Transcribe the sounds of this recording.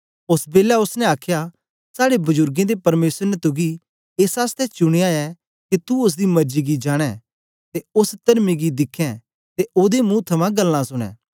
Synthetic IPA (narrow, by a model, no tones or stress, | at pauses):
ʊsbeːljaʊsnɛ̃aːkʰja | saːɽebʊzʊɾɡẽd̪epɐɾmeːsəɾnɛt̪ʊɡi | eːsaːst̪ɛt͡ʃʊɽ̃ejãɛ | kit̪uʊs̬d̪imɐɾd͡ʒiɡid͡ʒaːɽ̃ɛ̃ | t̪eʊst̪ɐɾmiɡid̪ɪkʰːɛ̃ | t̪eʔoːd̪emũt̪ʰɐmãɡɐlːãsʊɽ̃ɛ̰̃ː